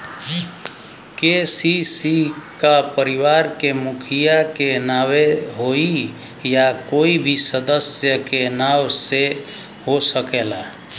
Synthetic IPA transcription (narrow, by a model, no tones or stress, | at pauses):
kesisikapəɾiʋaɾkemukʰijakenaweɦoi | jakoibʱisəd̪əsjəkenawse | ɦosəkela